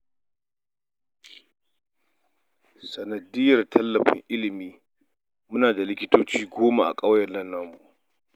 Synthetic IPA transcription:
sɐ˨nɐ˨dɪ˦jɐ˨rtʰɐ˦lːɐ˨ɸɪ̰˦ŋʔɪ˦lɪ˨miː˦ | mʊ˦naː˨da˨lɪ˦kʲɪ˦toː˦t͡ʃiː˦ɡʷoː˦ma˨ʔa̰˨kʼɐ˦wjɐ˨nɐ˦nːɐ˦mu˨ʔ

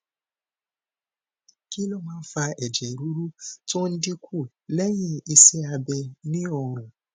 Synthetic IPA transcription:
ki˦lɔ˦mãː˦n̩˦fa˧ɛ˨d͡ʒɛ˨ɾu˨˦ɾu˦to˦n̩˦di˦kʰu˦˨ | lɛ˦j̃ɛ̃˧i˧sɛ˦a˧bɛ˧nĩ˦ɔ˧˨ɾ̃ũ˨

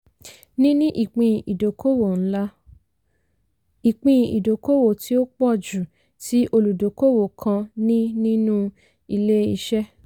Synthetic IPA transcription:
nĩ˦nĩ˦ʔi˦˨k͡pĩ˧˨ʔi˨do˨ko˦wo˦˨ñ̩˦la˦ | i˨k͡pĩ˧˨ḭ˨do˨˦ko˦wo˨tʰi˦o˦k͡pɔ˦˨d͡ʒu˨ | ti˦ʔo˧lu˨do˨˦ko˦˨wo˨kʰã˧nĩ˦nĩ˦nũ˦ | i˧le˦i˧ʃɛ˦

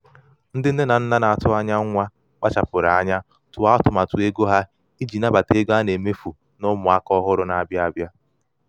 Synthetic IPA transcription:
n̩˦dɪ˦n̩˦ne˦na˨n̩˦na˦na˨a˨tʊ˦a˦ɲa˦ŋʷa˦ | k͡pa˦t͡ʃa˨pʊ˨ɾa˨a˦ɲa˦ | tʊ˨a˦tʊ˨ma˨tu˨e˦ɡo˦ɦa˦ | i˦d͡ʒi˨na˦ba˨te˦ɡo˦a˦ne˨me˦fu˨ | nʊ˦mʊ˨a˦kɔ˦ɦʊ˦ɾʊ˦na˨a˨bja˦a˦bja˦

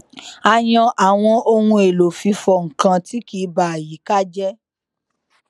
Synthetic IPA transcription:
a˧j̃ɔ̃˧ʔa˨w̃ɔ̃˧ʔo˧hũ˧e˨lo˨fi˧fɔ˧ŋ̩˨kã˧ti˦ki˨˧ba˨a˨ji˨˦ka˦d͡ʒɛ˦

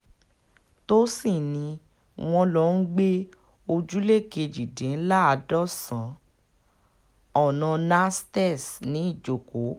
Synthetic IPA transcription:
to˦si˦˨nĩ˧ | w̃ɔ̃˧lɔ˦n̩˦ɡ͡be˦ | o˧d͡ʒu˦le˦˨ke˧d͡ʒi˨dẽ˨˦la˦a˧dɔ˦˨sã˨˦ | ɔ˨nã˧na˦stɛ˦˨snĩ˨˦i˦˨d͡ʒo˨ko˨˦

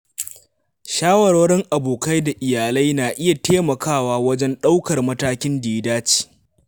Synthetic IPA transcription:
ʃaː˦wɐ˨ɾwɐ˦ɽɪ˦ŋʔa˨boː˨ka˦jda˨ʔɪ˨jaː˨la˦jnaː˨ʔɪ˦ja˨teː˦mɐ˨kʰaː˦˨waː˦wɐ˦d͡ʒɛ˦nɗa˦wkɐ˨rmɐ˦taː˦kʲɪ˦ndiː˨˦daː˦t͡ʃi̥ː˨

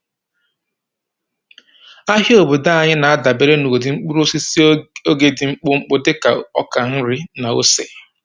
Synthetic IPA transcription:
a˦ɦi˦o˨bu˨da˦a˨ɲɪ˦na˨a˦da˨be˨ɾe˦nu˨o˨dɪ˨ŋ͡m̩˦k͡pu˦ɾo˦si˦si˦o˦ɡe˨dɪ˨ŋ͡m̩˦k͡pʊ˦ŋ͡m̩˦k͡pʊ˦dɪ˦ka˨ɔ̰˦ka˨n̩˦ɾɪ˦na˨o̰˦se˨

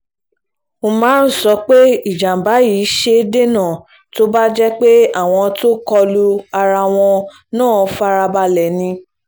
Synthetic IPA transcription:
o˧mãː˨˦˨sɔ˧k͡pe˦i˦˨d͡ʒã˨m̩˨ba˨˦ji˨˦ʃe˧˦de˦nã˦˨ | to˦ba˦d͡ʒɛ˦k͡pe˦a˦˨w̃ɔ̃˧to˦kɔ˧lu˦a˧ɾa˧w̃ɔ̃˧ | nãː˦˨˧fa˧ɾa˧ba˧lɛ˨nĩ˧

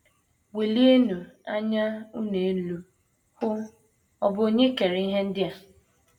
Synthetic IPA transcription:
we˨li˦e˦nu˨a˦ɲa˦u˦ne˨˦lu˨ | xʊ˦ | ɔ˨bʊ˨˦o˦ɲe˦ke˨ɾe˨i˦ɦe˦n̩˦dɪ˦a˨

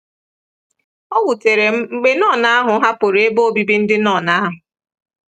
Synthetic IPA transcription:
ɔ˦wu˨te˨ɾe˨ŋ͡m̩˦ŋ͡m̩˨ɡ͡be˦nɔ˦˨na˦a˦ɦʊ˨˦ɦa˦po˨ɾe˨˦e˦bo˦o˦bi˦bi˦n̩˦dɪ˦nɔ˦˨na˦ɦʊ˨

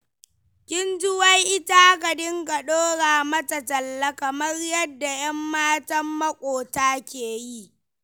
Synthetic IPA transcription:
kʲɪ˦nd͡ʒʊ˦wɐ˦jʔɪ˦ta˦kɐ˨dɪ˦ŋɡɐ˨ɗoː˦ɽaː˨mɐ˦tɐ˨tɐ˨lːɐ˦kɐ˨mɐ˦rjɐ˦dːa˨jɐ˦mːaː˦tɐ˦mːɐ˦kʷʼoː˨taː˦kʲeː˨ji˦ʔ

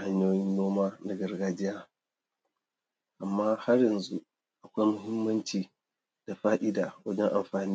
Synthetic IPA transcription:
ha˦ɲjoː˦jɪ˦nːoː˦maː˦na˨ɡɐ˨rɡaː˦d͡ʒɪ˦jaː˦ | ʔa˨mːaː˦ha˦rjɐ˨nzu˦ | ʔa˨kʷa˦jmʊ˦hɪ˦mːɐ˦nt͡ʃiː˨ | d̥a˨ɸaː˦ʔɪ˦daː˨wɐ˦d͡ʒɛ˦ŋʔa˨mɸaː˨niː˦

